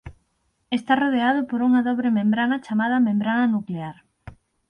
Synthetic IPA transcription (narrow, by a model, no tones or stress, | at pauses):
est̪aroð̞eað̞ʊpoɾuŋɐðɔβɾemẽmbɾanɐt͡ʃamað̞ɐmẽmbɾanɐnukleaɾ